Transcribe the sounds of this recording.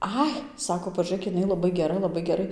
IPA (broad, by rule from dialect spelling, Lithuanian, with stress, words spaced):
ˈɐɪ ˈsɑːkoː pɐʒuːˈrʲeːk jɪˈnɐɪ lˠɐˈbɐɪ ɡʲɛˈrɐ lˠɐˈbɐɪ ɡʲɛˈrɐɪ